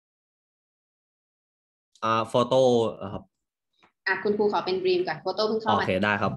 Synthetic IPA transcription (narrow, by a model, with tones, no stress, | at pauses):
ʔaː˧˩foː˧t̪oː˥˩˧kʰa˦˥p̚ | ʔa˨˩kʰu˧npʰuː˧kʰa˨˩˦wpe˧nbɾiː˧mkɔ˨˩nfoː˧t̪oː˥˩pʰuː˥˩kʰoː˦˨a˧˨kʰeː˧˩daː˥˩jkʰa˦˥p̚